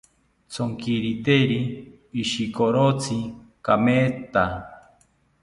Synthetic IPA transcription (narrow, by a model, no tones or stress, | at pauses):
t͡sʰoŋkiɾit̪eɾiː | ʃikoɾot͡sʰikameːt̪a